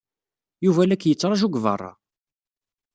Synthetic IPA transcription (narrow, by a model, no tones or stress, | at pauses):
juvælækːjət͡sːɾˤɑʒuɡvə̰rˤːɑ̰